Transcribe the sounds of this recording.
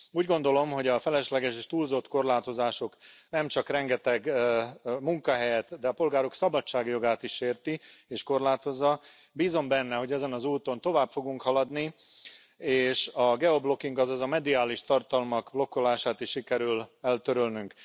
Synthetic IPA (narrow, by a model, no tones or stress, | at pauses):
uːɟɡo̞nd̪o̞lo̞mɦo̞ɟɒfɛlɛʃlɛɡɛʃeːʃt̪uːlzo̞t̪ko̞rlaːt̪o̞zaːʃo̞knɛmt͡ʃɒkrɛŋɡɛt̪ɛɡ | muŋkɒɦɛjɛt̪d̪ɛɒpo̞lɡaːɾo̞ksɒbɒt͡ʃt͡ʃːaːɡjo̞ɡaːt̪iʃːeːrt̪ieːʃko̞rlaːt̪o̞zːɒ | biːzo̞mbɛnːɛɦo̞ɟɛzɛnɒzuːt̪o̞nt̪o̞vaːpfo̞ɡuŋkhɒlɒd̪ni | eːʃɒɡɛo̞blo̞kiŋɡɒzɒzɒmɛd̪iaːliʃt̪ɒrt̪ɒlmɒɡblo̞kːo̞laːʃaːt̪iʃʃikɛɾylɛlt̪øɾølnyŋk